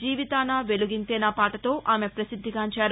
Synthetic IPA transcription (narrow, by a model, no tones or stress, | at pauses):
d͡ʒiːʋit̪aːnaʋe̞luɡint̪ɛːnɐpaːʈɐt̪o̞ːʔaːme̞pɾɐsid̪ʱːikaːɲt͡ʃaːɾu